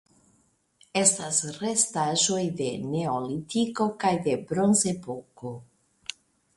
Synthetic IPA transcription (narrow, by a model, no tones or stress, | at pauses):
e̞stasre̞staʒojde̞ne̞olit̪iko̞kajd̪e̞bɾo̞nze̞poko